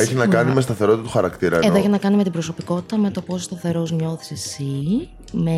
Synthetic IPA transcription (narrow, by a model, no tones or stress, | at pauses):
eçinɐkɐnimest̪ɐθe̞ɾo̞t̪it̪ɐt̪uxɐɾɐkt̪iɾɐeðoeçinɐkɐnime̞t̪ibɾoso̞piko̞t̪i̥t̪ɐme̞t̪o̞po̞sost̪ɐθe̞ɾo̞zɲo̞θi̥sesi | me